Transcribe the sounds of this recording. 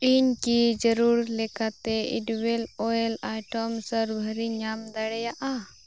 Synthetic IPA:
iɲkid͡ʒəɾuɾlɛkat̪ɛiɖwɛlɔɛlajʈɔmsəɾbʱəɾiɲamd̪aɽɛjaʔa

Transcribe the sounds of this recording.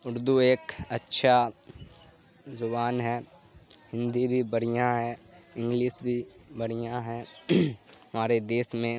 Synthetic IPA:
ʊɾd̪ueːkɐtːʃʰa | zʊbaːnɦɛː | hɪ̃nd̪ibʱibɐɽ̤ijãɦɛɪ̃ŋɡliːʃbʱibɐɽ̤ijãɦɛ̃ː | ɦɐmaːɾed̪eːsmẽ

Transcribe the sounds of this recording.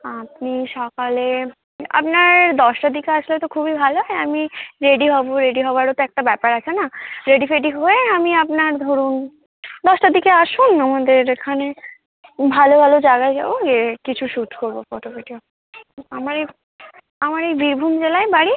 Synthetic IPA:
apniʃɔkale | a̰pnaɾd̪ɔʃʈad̪ikeaʃlet̪okʰubibʱaloɦamiɾeɖiɦɔboɾeɖiɦɔbaɾot̪oɛk̚ʈabɛpaɾat͡ɕʰenaɾeɖifeɖiɦoeamiapnaɾd̪ʱoɾun | d̪ɔʃʈad̪ikeaʃunamad̪eɾekʰane | bʱalobʱalod͡ʑaɡaed͡ʑa̰bod͡ʑekit͡ɕʰuʃuʈkoɾbofɔʈopiʈio | amaɾej | amaɾejbiɾbʱumd͡ʑelaebaɽi

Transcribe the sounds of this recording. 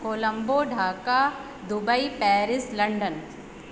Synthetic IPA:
koːlə̃mboɖʱaːka | d̪ʊbəipɛːɾɪslɐ̃ɳɖən

